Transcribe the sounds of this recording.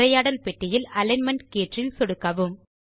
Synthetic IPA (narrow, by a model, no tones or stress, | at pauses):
ɾɐjaːɽɐlpɛʈːɪjɪlɐlɐnmɐɳɖkeːʈrɪlsɔɽɯkːɐʋɯm